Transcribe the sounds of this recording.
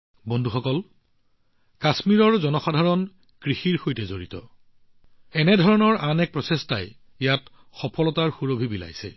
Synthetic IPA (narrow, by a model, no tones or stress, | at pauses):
bɔndʱuxɔkɔl | kasmiɹɔɹzɔnɔxadʱaɹɔn | kɹixiɹxojtɛzoɹitɔ̰ | ɛnɛdʱɔɹɔnɔɹʔanɛk̚pɹɔsestaj | ijat | xɔpʰɔlɔtaɹxuɹobʱibila̰jsɛ̰